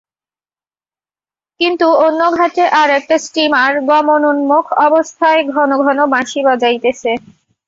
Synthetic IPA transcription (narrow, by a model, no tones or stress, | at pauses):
kint̪uonːoɡʱateʔaɾɛk̚ʈasʈimaɾɡɔmonunmokʰɔbost̪ʰaeɡʱɔnoɡʱɔnobãʃibɔd͡ʑajt̪et͡ɕʰe